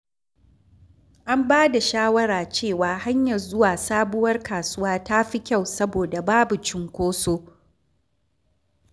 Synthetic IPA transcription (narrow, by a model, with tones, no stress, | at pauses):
ʔa˦mbaː˦da˨ʃaː˦wɐ˦ɾaː˨t͡ʃeː˦˨waː˨ha˦ɲjɐ˨rzʊ˦waː˨saː˦bʊ˦wɐ˦rkaː˨sʊ˦waː˦ta˦ɸi˦kʲa˦˨wsɐ˦boː˨da˨baː˦bu˨t͡ʃɪ˦ŋkʷoː˦soː˦